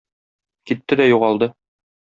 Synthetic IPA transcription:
kit̪ːɘd̪æjuʁɑlˠd̪ɤ

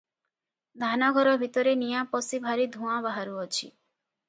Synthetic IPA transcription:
d̪ʱanaɡʱɔɾɔbʱit̪ɔɾenijãpɔsibʱaɾid̪ʱũãbaɦaɾuɔt͡ʃʰḭ

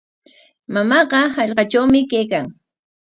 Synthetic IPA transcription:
mamɑɢɑhɑʎɢɑt͡ʃawmɪkejkaŋ

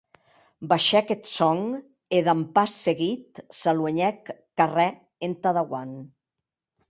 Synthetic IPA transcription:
baʃɛket̪sɔŋ | eðampasːeɣit̪salweɲɛkː | arɛ | ent̪aðaɣwan

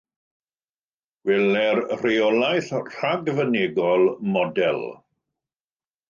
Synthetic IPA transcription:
wɛlɛrreɔlajθr̥aɡvəneɡɔlˠmɔdɛlˠ

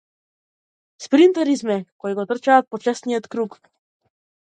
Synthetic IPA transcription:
spɾint̪ɛɾizmɛkɔiɡɔt̪r̩t͡ʃaːt̪̚pɔt͡ʃasnijɔt̪kɾuk

